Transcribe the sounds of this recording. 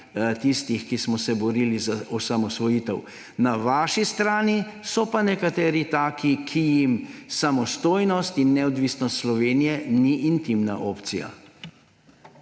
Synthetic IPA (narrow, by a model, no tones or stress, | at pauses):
t̪ist̪ixkismɔsɛbɔɾilizaɔsamɔsʋɔjiːt̪ɛw | naʋaːʃist̪ɾaːnisɔpanɛkat̪ɛːɾit̪aːkikʰijimsamɔst̪oːjnɔst̪inːɛɔd̪ʋiːsnɔst̪slɔʋeːnijɛniʔint̪imna̰ʔoːpt̪sija̰